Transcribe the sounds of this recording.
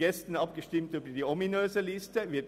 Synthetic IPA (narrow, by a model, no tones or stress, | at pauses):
ɛst̪n̩ɑp̚ɡ̥əʃtɪmt̪yːbəd̪iːɔmɪnøːsəlɪst̪əʋɪt